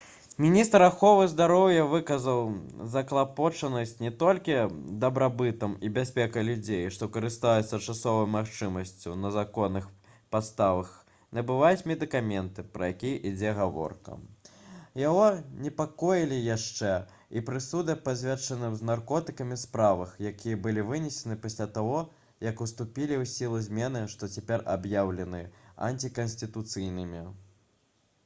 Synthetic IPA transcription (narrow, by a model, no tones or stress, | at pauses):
mʲinʲist̪ɾaxɔvɨzd̪aɾɔwjɐvɨkɐzɐwzɐklˠapɔt͡ʂɐnɐsʲt͡sʲnʲɛt̪ɔlʲkʲid̪ɐbɾabɨt̪ɐmibʲasʲpʲɛkɐlʲud͡zʲejʂt̪ɔkɐɾɨst̪ajɛt̪sːɐt͡ʂasɔvɐjmaxt͡ʂɨmɐsʲt͡sʲṵnɐzakɔnːɨx | past̪avɐx | nɐbɨvat͡sʲmʲɛd̪ɨkamʲɛnt̪ɨpɾɐ̰jakʲijʔid͡zʲɛɣavɔ̰rkɐ̰ | jaɣɔnʲɛpakɔjilʲijaʂt͡ʂɛ | ipɾɨsud̪ɐpazʲvʲat͡ʂːɐnɨmznarkɔt̪ɨkɐmʲispɾavɐxjakʲʰijɐbɨlʲivɨnʲɛsʲɛnɨpasʲlʲat̪aɣɔ | jɐkust̪upʲilʲiwsʲilˠɨzʲmʲɛn̪ɨʂt̪ɔt͡sʲɛpʲɛɾa̰bjawlʲɛnɨɐ̰nʲt͡sʲikɐnsʲt̪ʲɨt̪ut̪sɨjnɨmʲi